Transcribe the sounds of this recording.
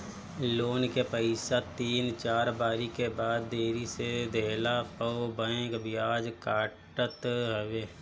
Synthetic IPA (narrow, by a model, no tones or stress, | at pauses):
loːnkepəɪsat̪iːnt͡ʃaːɾbaːɾikebaːd̪̚ːeːɾised̪ʱeːlapəwbə̃ekbʱɪjaːd͡ʒkaːʈət̪ɦʋeː